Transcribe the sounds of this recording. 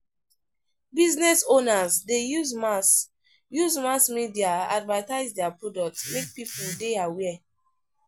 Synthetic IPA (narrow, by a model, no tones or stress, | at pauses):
biznɛsonazdejuzmas | juzmasmidiaa̰dvataɪzdɛapɹɔdɔk̚tmek̚pipuldeawɛ